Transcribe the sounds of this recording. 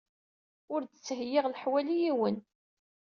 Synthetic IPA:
ʊɾdət͡sːɦəjːiʁlħwælijiwən

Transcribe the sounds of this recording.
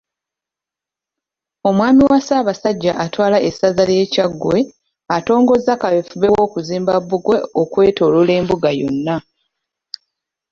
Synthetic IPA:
o̞mwaːmiwasaːβasaɟːaʔatwaːlaʔesazalje̞ːcaɡwe̞ | ato̞ːŋɡo̞zakaβefuβe̞wo̞ːkuziːmbaβːuɡwe̞okwe̞ːto̞lule̞ːmbuɡajo̞̰nːa

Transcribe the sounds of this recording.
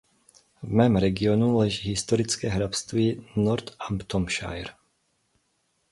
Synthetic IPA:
vmɛːmɾɛɡɪonulɛʒiːɦɪst̪oɾɪt͡skɛːɦɾapst̪viːnɔɾt̪ampt̪omʃa̰jɾ

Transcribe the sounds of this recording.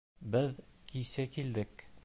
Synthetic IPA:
bɘðkisækild̪ɘk

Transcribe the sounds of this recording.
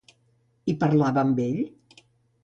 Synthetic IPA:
ipəɾlaβəːmbeʎ

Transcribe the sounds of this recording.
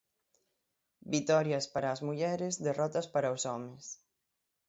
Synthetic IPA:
bit̪ɔɾjɐspaɾaːzmuʎɛɾɪzðerɔt̪ɐspaɾaosɔmes

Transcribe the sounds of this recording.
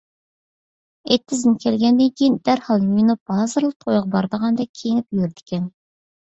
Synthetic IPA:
et̪ʰːɪzɪnkʲʰɛlɡʲɛnd̪ɪŋkʲijind̪æɾhɑlˠjujnup̚b̥ɑːzɨɾlˠəq̚t̪ʰojʁɑbɑɾd̪əʁɑnd̪ɛkʲʰeŋipjyɾd̪ɪ̥kʲʰɛn

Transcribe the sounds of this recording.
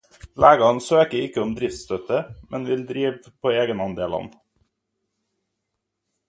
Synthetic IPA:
lʔæːɡɑnsøːkəɪkəʊmd̪ɾɪft̪st̪œt̪əmʔɛnʋɪld̪ɾiːʋpʰoːeːɡənɑnd̪eːlɑ̰n

